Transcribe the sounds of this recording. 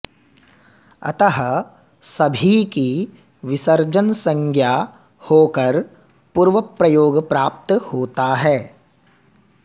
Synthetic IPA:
ɐ̰t̪əɦə | sɐbʱiki | ʋɪsəɾd͡ʒənsə̃ŋɡʰʱja | hoːkəɾ | puːɾʋəpɾɐjoːɡpɾaːp̚t̪hoːt̪aɦɛː

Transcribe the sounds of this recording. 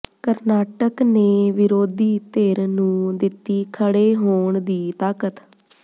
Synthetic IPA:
kəɾnaːʈəkneːʋɪɾoːd̪iːt̪eːɾnũːd̪ɪt̪ːiːkʰəɽeːɦoːɳd̪iːt̪aːkət̪

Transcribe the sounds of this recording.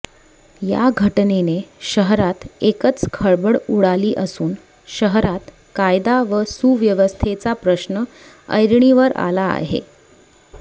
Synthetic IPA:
ja̰ɡʱəʈneneɕəɦɾat̪ekət͡skʰəɭbəɽuɽaliːʔəsuːn | ɕəɦɾat̪ | kajd̪aʋəsuʋjəʋəst̪ʰet͡sapɾəɕnə | ə̰jɾɳiʋəɾa̰la̰ːɦḛ

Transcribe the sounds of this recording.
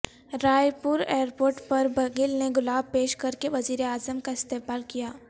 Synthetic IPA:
ɾaːjpʊɾeːɾpoːɾʈpɐɾbɐɡɪlneɡʊlaːb̚peːʃkɐɾkeʋɐziːɾeaːzəmkaɪst̪eːbaːlkijaː

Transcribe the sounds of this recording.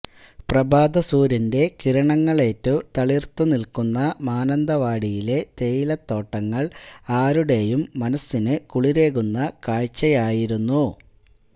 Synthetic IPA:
prɐbaːd̪ɐsuːɾɐnde̞kiɾɐɳɐŋːɐɭe̞ːtːut̪ɐɭirt̪unilkunːɐmaːnɐnd̪ɐʋaːɽijile̞t̪e̞jilɐt̪ːo̞ːʈːɐŋːɐɭaːɾuɽe̞jumːɐnɐsːinɨkuɭiɾe̞ːɣunːɐkaːɻt͡ɕːɐjaːjiɾunːu

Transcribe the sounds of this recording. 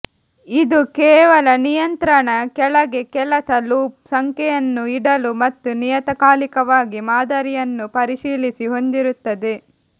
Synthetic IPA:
id̪ukɛːʋɐlɐnijɐnt̪ɾɐɳɐkɛlɐɡe̞kɛlɐsɐluːpsɐŋkɛjɐnːuiɽɐlumɐt̪ːunijɐt̪ɐkaːlikɐʋaːɡimaːd̪ɐɾijɐnːupɐɾiʃiːlisiɦo̞nd̪iɾut̪ːɐd̪e̞

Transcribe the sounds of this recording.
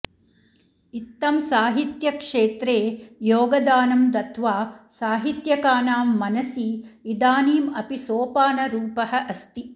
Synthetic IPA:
it̪ːɐmsaːɦit̪jɐkʂeːt̪ɾeːjoːɡɐd̪aːnɐmd̪ɐt̪ʋaːsaːɦit̪jɐkaːnaːmːɐnɐsiːd̪aːniːmɐpisoːpaːnɐɾuːpɐɦɐ̆ʔɐst̪i

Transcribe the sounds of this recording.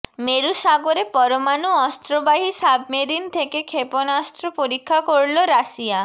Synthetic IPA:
meɾusaɡoɾepɔɾomanuɔst̪ɾɔbaɦisabmeɾint̪ʰekekʰepɔnast̪ɾɔpoɾikʰːakoɾloɾasia

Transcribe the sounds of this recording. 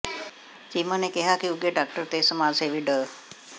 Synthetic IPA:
t͡ʃimənekeɦaːkiuɡeɖak̚ʈəɾt̪esəmaseʋiɖə

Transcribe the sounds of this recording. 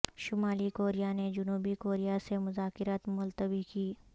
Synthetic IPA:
ʃʊmaːlikoːɾijaned͡ʒʊnuːbikoːɾijasemʊzaːkɪɾaːt̪mʊlt̪əbikiː

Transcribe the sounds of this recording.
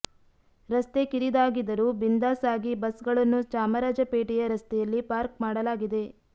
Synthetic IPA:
ɾɐst̪ekiɾid̪aːɡid̪ɐɾuːbind̪aːsaːɡibɐsɡɐɭɐnːut͡ʃaːmɐɾaːd͡ʒɐpeːʈijɐɾɐst̪ɛjɐlːipaːɾk̚maːɽɐlaːɡid̪e̞

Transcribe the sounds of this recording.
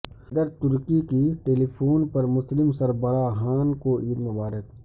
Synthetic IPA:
xd̪əɾt̪ʊɾkikiʈeːliːpʰoːnpɐɾmʊslɪmsɐɾbəɾaːɦaːnkoʔiːɾmʊbaːɾək

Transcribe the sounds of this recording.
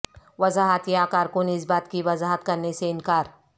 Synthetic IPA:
ʋɐzaːɦət̪jakaːɾkʊnɪs̬baːt̪kiʋɐzaːɦət̪kɐɾneseɪnkaːɾ

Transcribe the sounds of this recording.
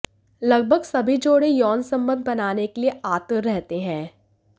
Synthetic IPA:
lɐɡ̚bʱəɡsɐbʱid͡ʒoːɽejɔːnsɐ̃mbə̃nd̪ʱbɐnaːnekelieʔaːt̪əɾːɛɦt̪eɦɛ̃ː

